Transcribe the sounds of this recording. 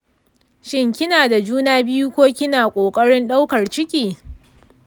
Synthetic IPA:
ʃɪ˦ŋkʲɪ˦naː˨da˨d͡ʒuː˦naː˦bɪ˦ju˦kʷoː˦kʲɪ˦naː˨kʷʼoː˨kʼɐ˦ɽɪ˦nɗa˦wkɐ˨rt͡ʃɪ˦kʲʼiː˨

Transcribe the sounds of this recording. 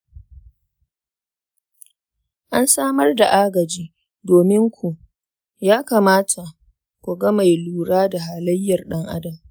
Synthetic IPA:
ʔa˦nsaː˦mɐ˦rda˨ʔaː˦ɡɐ˨d͡ʒiː˦ | doː˨mɪ˦ŋkʷʰu˨ʔ | jaː˦kaː˨maː˦tʰa˨ʔ | kʷu˨ɡɐ˦ma˨jluː˨ɽaː˦da˨ɦaː˨lɐ˦jːɐ˨rɗɐ˦ŋʔa̰˦dɐ˨m

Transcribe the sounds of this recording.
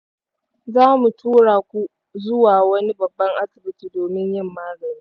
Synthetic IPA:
zaː˦mu˨tʰuː˦ɽaː˨kʷu˦ | zʊ˦waː˨wɐ˦ni˦bɐ˨bːɐ˦ŋʔa˦sɪ˨bɪ˨tiː˨doː˨mɪ˦ɲjɪ˦˨mːaː˦ɡɐ˨ɾiː˦

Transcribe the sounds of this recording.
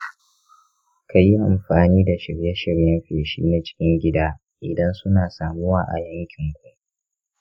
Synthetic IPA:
ka˨ji˦ʔa˨mɸaː˨niː˦da˨ʃɪ˨ɽjɛ˦ʃɪ˨ɽjɐ˦mɸeː˨ʃḭː˦na˨t͡ʃɪ̥˦kʲɪ˦ŋɡʲɪ˦daː˦ | ʔɪ˨dɐ˦nsʊ˦naː˨saː˨mʊ˦waː˦˨ʔa̰˨jɐ˦ŋkʲɪ˨ŋɡʷʊ˦

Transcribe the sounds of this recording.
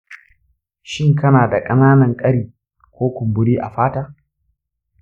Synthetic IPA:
ʃɪ˦˨ŋkɐ˦naː˨da˨kʼɐ˦naː˦nɐ˨ŋkʼɐ˦ɽiː˨ | kʷoː˦kʷʊ˨mbʊ˦ɽiː˦ʔa̰˨ɸaː˦taː˦

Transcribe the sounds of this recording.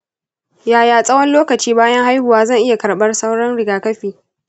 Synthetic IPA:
jaː˨jaː˨sʼɐ˦wɐ˦nloː˦kɐ˨t͡ʃiː˦baː˦jɐ˦ŋha˦jhʊ˨waː˦zɐ˦˨ŋʔɪ˦ja˨kɐ˨ɽɓɐ˦rsɐ˦wɽɐ˦nɽɪ˨ɡaː˨kɐ˦ɸiː˨

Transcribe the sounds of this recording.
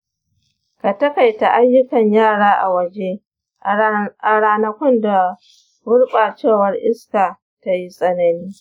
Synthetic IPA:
ka˨tɐ˦ka˨jta˨ʔa˦jːʊ˦kɐ˨ɲjaː˦˨ɽaː˦ʔa̰˨wɐ˦˨d͡ʒe˦ | a˨ɽaː˦nɐ˦kʷɔ˦nda˨ | wʊ˦ɽɓa˨t͡ʃeː˦˨wɐ˦rʔɪ˦skaː˨ | ta˦ji˦sʼɐ˦nɐ˨niː˦

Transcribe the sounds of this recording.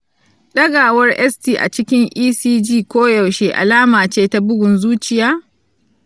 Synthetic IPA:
ɗɐ˦ɡaː˨wɐ˦rʔɛ˦stiː˨ʔa̰˨t͡ʃɪ˦kʲɪ˦ŋʔiː˦siː˦d͡ʒiː˦˨kʷoː˦ja˨wʃeː˦ʔa̰˨laː˦maː˨t͡ʃeː˦ta˦bʊ˦ɡʷʊ˨nzuː˦t͡ʃɪ˦jaː˦

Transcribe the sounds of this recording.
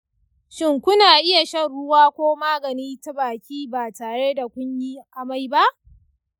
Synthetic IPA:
ʃɪ˦ŋkʷʊ˦naː˨ʔɪ˦ja˨ʃɐ˦nɽʊ˦waː˦kʷoː˦maː˦ɡɐ˨niː˦ta˦baː˨kʲiː˦baː˨taː˨ɽe˦da˨kʷʊ˦ɲji˦ʔa˦ma˦jba˦ʔ

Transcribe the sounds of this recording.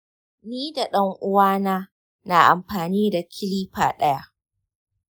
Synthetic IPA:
niː˦da˨ɗɐ˦ŋʔʊ˦waː˦naː˦ | na˨ʔa˨mɸaː˨niː˦da˨kʲʰɪ˦liː˦ɸa̰ː˨ɗɐ˦ja˦ʔ

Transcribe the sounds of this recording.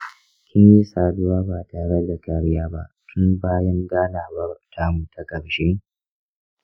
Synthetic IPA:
kʲɪ˦nji˦saː˨dʊ˦waː˦baː˨taː˨ɾɐ˦da˨kɐ˨ɽjaː˦ba̰˦ʔtʰʊ˦nbaː˦jɐ˦ŋɡaː˦naː˨bɐ˦rtʰa˦mu˨tʰa˨kʼɐ˨ɽʃe˦

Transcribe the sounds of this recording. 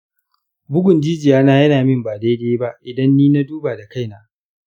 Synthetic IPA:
bʊ˦ɡʷʊ˨nd͡ʒiː˦d͡ʒɪ˨jaː˦naː˦jɐ˦naː˨mɪ˦mbaː˨deː˦deː˦ba˦ʔʔɪ˨dɐ˦nːiː˦na˦duː˦baː˨da˨ka˦˨jnaː˦

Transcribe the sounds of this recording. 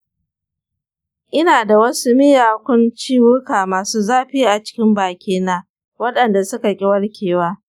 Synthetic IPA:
ʔɪ˦naː˨da˨wɐ˦su˦mɪ˦jaː˨kʷʊ˦nt͡ʃiː˦wʊ˦kaː˨maː˨suː˦zaː˦ɸiː˦ʔa˨t͡ʃɪ̥˦kʲɪ˦mbaː˨kʲiː˦naː˦ | wɐ˦ɗɐ˨nda˨sʊ˦ka˨kʲʼɪ˦wɐ˦ɽkʲeː˨waː˦

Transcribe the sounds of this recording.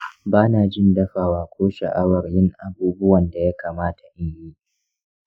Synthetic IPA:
baː˦naː˨d͡ʒɪ˦ndɐ˦ɸaː˨waː˨kʷoː˦ʃɐ̰˨ʔa˦wɐ˨rjɪ˦ŋʔa˨buː˦bʊ˦wɐ˨nda˨ja˦kʰaː˨maː˦tʰa˨ʔɪ˦ɲjiː˦

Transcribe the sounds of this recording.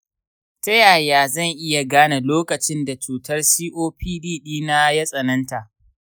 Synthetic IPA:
tɐ˦jaː˨jaː˨zɐ˦˨ŋʔɪ˦ja˨ɡaː˦na˨loː˦kɐ˨t͡ʃɪ˦nda˨t͡ʃuː˨tɐ˦rsiː˦ʔoː˦ɸiː˦diː˦˨ɗiː˦na˦jɐ˦sʼɐ˨nɐ˦nta˨ʔ

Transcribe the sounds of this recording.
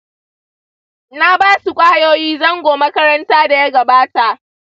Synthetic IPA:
na˦baː˦su˨kʷʼa˦ha˦joː˦jiː˦zɐ˦ŋɡʷoː˨mɐ˦kɐ˦ɾɐ˦ntaː˦da˨ja˦ɡɐ˨baː˦ta˨ʔ

